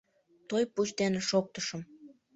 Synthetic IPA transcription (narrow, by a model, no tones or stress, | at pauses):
t̪ojput͡ɕd̪eneʃok̚t̪əʃəm